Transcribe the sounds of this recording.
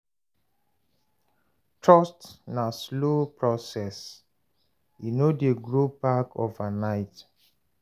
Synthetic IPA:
tɹɔstnaslopɹɔsɛs | inodeɡɹopako̰vanaɪt

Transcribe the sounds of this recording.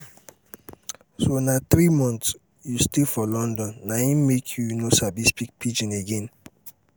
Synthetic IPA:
sonaθɾimɔ̃nts | justefɔlɔ̃ndɔ̃nːaĩmekʰjunosabispik̚pʰid͡ʒĩneɡɛ̃n

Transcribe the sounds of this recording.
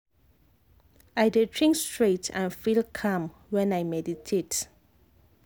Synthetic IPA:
ajdedɹĩŋkstɹetʰã̰nfilkʰãm | wɛ̃najmɛditʰet

